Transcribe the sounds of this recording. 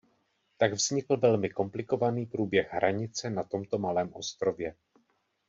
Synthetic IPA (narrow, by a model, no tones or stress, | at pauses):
t̪aɡvzɲɪkl̩vɛlmɪko̞mplɪko̞vaniːpɾuːbjɛɣɦɾʔaɲɪt͡sɛnat̪o̞mt̪o̞malɛːmʔo̞st̪ɾo̞vjɛ